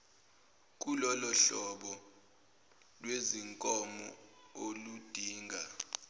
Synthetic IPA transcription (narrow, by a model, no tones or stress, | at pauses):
k̬ʼulɔlɔɬɔɓɔ | lweziŋkʼɔmɔolud̥ʱiːŋɡʱa